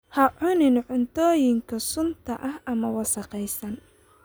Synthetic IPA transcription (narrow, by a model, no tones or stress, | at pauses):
hɐʕʊnɪnʕʊnt̪ʰɔːjɪŋkʰɐsʊnt̪ʰɐʔɐhɐmɐwɑsɑqɛjsɐn